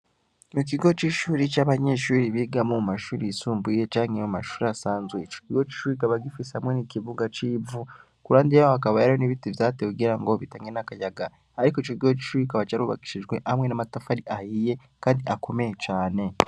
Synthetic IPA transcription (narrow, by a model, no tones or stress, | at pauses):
nuk̬iɡo̞t͡ʃiʃuːɾit͡ʃaβaɲe̞ːʃuːɾiβiɡamomumaʃuɾisuːmbuje̞t͡ʃaːŋemumaʃuːɾiasaːnzwet͡ʃokiɡo̞t͡ʃi̥ʃuɾikaβaɡifisehamwe̞nikiβuɡat͡ʃiːvu | kuɾaːndijaakaβajaɾoniβitivjaːteuɡiɾaŋɡo̞βitaŋɡenakajaɡa | aɾikoit͡ʃoɡiɡot͡ʃi̥ʃuːɾikaβat͡ʃaɾuβa̰ki̥ʃiʒɡwe̞ʔamwe̞namatafaɾiʔahiːje̞ | kaːndiʔakʰo̞mejet͡ʃaːne̞